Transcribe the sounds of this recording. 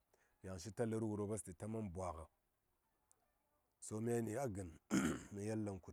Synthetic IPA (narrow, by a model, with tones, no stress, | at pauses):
ja˨ŋʃi˦ta˦lə˦ɾwu˨ɾo˦ba˦sti˨ta˦ma˦nbwʷa˨ɣa˨ | so˦mi˦a˦ni˨a˦ɡə˨n˦mi˨ja˦lːa˦˨nku˨